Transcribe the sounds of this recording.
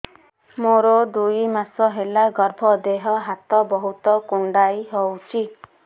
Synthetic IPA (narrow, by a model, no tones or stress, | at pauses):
moɾɔd̪ujmasɔɦelaɡɔɾbʱɔd̪eɦɔɦat̪ɔbɔɦut̪ɔkuɳɖajɦɔwt͡ʃʰi